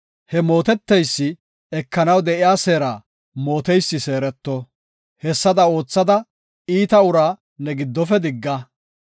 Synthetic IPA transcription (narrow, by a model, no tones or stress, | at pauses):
hɛmo̞ːt̪ɛt̪ːɛjsːɪ | ɛkːɐnɐwd̪ɛʔɪjaːse̞ːɾaː | mo̞ːt̪ɛjsːɪse̞ːɾɛt̪ːɔ | hɛsːɐd̪ɐo̞ːt͡sːɐd̪ɐ | iːt̪ɐʊɾaː | nɛɡɪd̪ːɔfɛd̪ɪɡːɐ